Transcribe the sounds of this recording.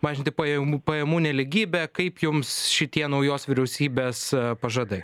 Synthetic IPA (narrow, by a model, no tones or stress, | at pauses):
mɑːʒʲɪnʲt̪ʲɪpɐjɛmuːpɐjɛmuːnʲɛlʲɪɡʲiːbʲɛkɐɪpjʊmsʃʲɪt̪ʲiɛnɐʊjoːsʋʲɪɾʲɛʊsʲiːbʲeːspɐʒɐd̪ɐɪ